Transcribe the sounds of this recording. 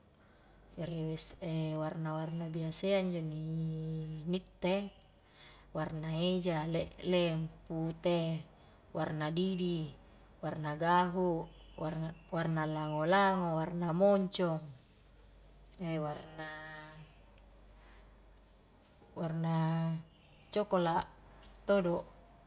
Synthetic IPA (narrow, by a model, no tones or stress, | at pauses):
d͡ʒaɾiwesewarnawarnabiaseaɲd͡ʒoni | nit̪ːe | warnaed͡ʒaleʔleŋput̪e | warnadidi | warnaɡaɦu | warnalaŋolaŋowarnamoɲt͡ʃoŋ | ewarna | warna | t͡ʃokola | t̪odoʔ